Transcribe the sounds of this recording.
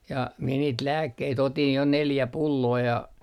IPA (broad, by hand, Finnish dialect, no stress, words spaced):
jɑ mie niːt læːkːeit otin jo neljæ pulːoː jɑ